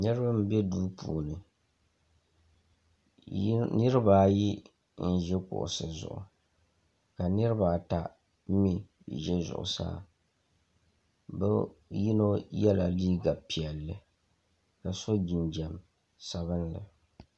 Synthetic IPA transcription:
nɨ˦ɾɨ˦ba˦m˦bɛ˦duː˦pʰṵː˨nɨ˨ | nɨ˦ɾɨ˦baː˨˦˨ji˦ | n̩˦ʒɛ˦kʊ̰˨ʔʊ̰˨sɨ˨zʊ̰˨ʔʊ̰˨ | ka˨nɨ˦ɾɨ˦ba˨ta˨˦ | mi˦ | ʒɛ˦zʊ̰˨ʔʊ̰˨sa̰ː˦˨ | bɛ̰˦ji˦no˦jɛ˦la˨liː˦ɡa˨pi˨ɛ˨lːɨ˨ | ka˨so˦d͡ʒi˨nd͡ʒɛ˨m | sa˦βɨ˦nlɨ̰˨

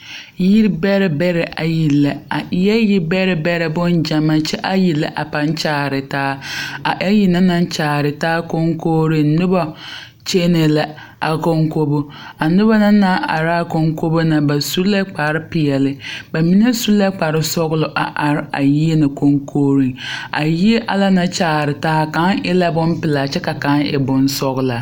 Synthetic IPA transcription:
ji˦ɾbɛ˦ɾɪ˦bɛ˦ɾɛ˨ʔa˨ji˨lːa˨a˨ʔɪ˦jɛ˦ji˦bɛ˦ɾɪ˨bɛ˦ɾɛ˨bʊ˦nd͡ʒa˨ma˨t͡ʃɛ˦ʔa˦ji˨la̰˦ʔa˨pa˨n˦t͡ʃaː˦ɾɪ˨taː˦a˨ʔa˦ji˨na˦na˦n˦t͡ʃaː˨ɾɪ˨taː˦ko˦ŋkoː˦ɾi˨nʊ˦bɔ˦ | t͡ʃe˦nɛ˨la˨ | a˨ko˦ŋko˦bo˦ | a˨nʊ˦ba˦na˦na˦ʔa̰˨ɾɪ˦a˦˨ko˦ŋko˦bo˦na˨ba˨su˦la˦k͡pa˨ɾɪ˦pɪ˨ɛ˨lɪ˦ba˨mi˦ne˦su˦la˦k͡pa˨ɾɪ˦sɔ˦ɣʊ˦lʊ˨ʔa˨ʔa˨ɾɪ˦a̰˨ji˦e˦na˨ko˦ŋkʰoː˦ɾi˨ŋa˨ji˦e˦ʔa˨la˦na˨t͡ʃaː˨ɾɪ˨taː˦ka˨˦ŋʔɪ˦la˦bʊ˦m˦pɪ˨laː˨t͡ʃɛ˦ka˨ka˨˦ŋɪ̰˨bʊ˦nsɔ˦ɣʊ˨˦la˨

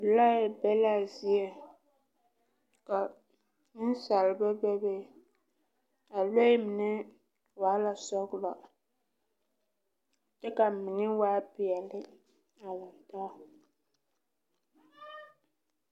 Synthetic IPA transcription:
la˦jbɛ˦la˦zi˦e˨ | ka˨ | nɪ˦n˦sa˨lɪ˨ba˦bɛ˦be˦˨ | a˨lo˦ɪ˦mɪ˨nɛ˦ | waː˨˦la˨sɔ˦ɡlɔ˨ | tɛ˦ka˨mɪ˨nɪ˦waː˦pɪ˨ɛ˨lɪ˦ | a˨la˨ta˦˨

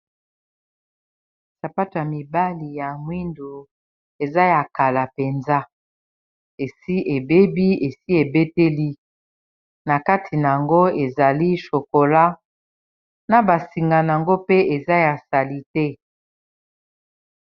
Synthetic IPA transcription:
sa˨pa˦to˨ja˨mi˨ba˦li˨ja˨ŋwi˦ndo˨ | e˨za˦ja˨ka˨la˨pe˨nza˦ | e˨si˦ʔe˨be˦bi˦e˨si˦e˨be˦te˦li˦ | na˨ka˦tʰi˨na˨a˨ŋɡo˦e˨za˨li˦ʃo˨ko˨la˦ | na˨ba˨si˨ŋɡa˨na˨a˨ŋɡo˦pe˦e˨za˦ja˨sa˨li˦tɛ˦

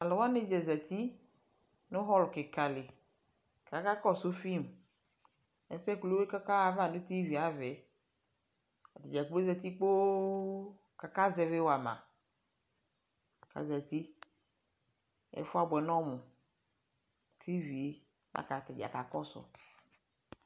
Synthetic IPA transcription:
a˨le˨wa˦ne˦d͡ʒɛ˨zɛ˨t̪i˦ | no˦ɦɔ˦lke˨ka˨le˨ | ka˨ka˦kɔ˦so˦fi˦˨m | ɛ̰˨sɛ˦klo˦e˦ka˦ka˦a˨va˦˨nũ˦t̪i˦vi˨a˨vɛ˨˦ | a˨t̪e˨d͡ʒa˨klzɛ˨t̪i˦k͡po˦ | ka˨ka˦zɛ˦ve˦wo˨a˨mã̰˨ | ka̰˨zɛ˨t̪i˦ | ɛ̰˨˦fo˦a˨bɛ˨nɔ̃˦mũ˨ | t̪ʰi˦vi˨e˨ | mʔa̰˦˨ka˨t̪e˨d͡ʒa̰˨ka˨kɔ˦so̰˨

